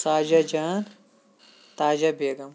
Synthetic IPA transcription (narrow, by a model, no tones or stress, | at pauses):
saːd͡ʒad͡ʒaːn | t̪aːd͡ʒɐbeːɡɐm